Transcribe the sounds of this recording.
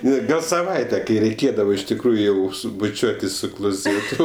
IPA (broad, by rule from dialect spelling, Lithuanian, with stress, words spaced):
ˈnʲɛ ˈɡɐlˠ sɐˈʋɐɪtʲɛ kɐɪ rʲɛɪˈkʲeːdɐʋoː ɪʃ tʲɪkˈruːjʊ ˈjɛʊ ˈsʊ bʊˈt͡ʃʲuɔtʲɪs sʊ klˠoːˈzʲeːtʊ